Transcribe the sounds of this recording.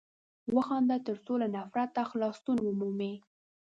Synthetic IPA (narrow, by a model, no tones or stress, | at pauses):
wəxɑnd̪at̪əɾsolanafɾat̪ːaxlɑst̪unwəmume